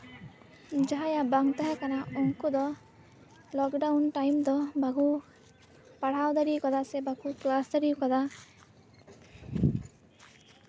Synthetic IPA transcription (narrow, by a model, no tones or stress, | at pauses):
d͡ʒaɦajabaŋt̪aɦakanauŋkud̪ɔ | lɔkɖawnʈajmd̪ɔbaɡu | paɽ̤awd̪aɾikad̪asɛbaɡuklasd̪aɾiwkad̪a